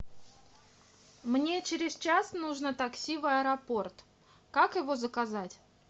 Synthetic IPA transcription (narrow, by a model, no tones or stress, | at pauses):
mnʲe̞t͡ɕɪɾʲɪzt͡ɕasnuʐnət̪ɐksʲivɨɐɾɐpo̞rt̪ | kakjɪvo̞zəkɐzatʲ